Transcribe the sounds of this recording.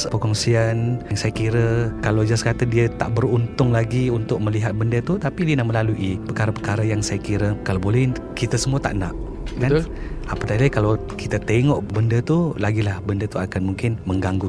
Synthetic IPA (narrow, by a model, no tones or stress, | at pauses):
pəkɔŋsianaŋsajakiɾəkalawd͡ʒaskat̪ədiət̪a̰ʔbəɾunt̪ʊŋlaɡiunt̪ʊk̚məliɦat̪̚bəndət̪ut̪apidiənaməlaluʔipəkaɾapəkaɾajaŋsajakiɾəkalawbolɛh | kit̪asəmuət̪a̰ʔnaʔ | kaapət̪alaikalaw | kit̪at̪eŋɔʔbəndət̪ulaɡilahbəndət̪uakanmuŋkɪnməŋɡaŋɡu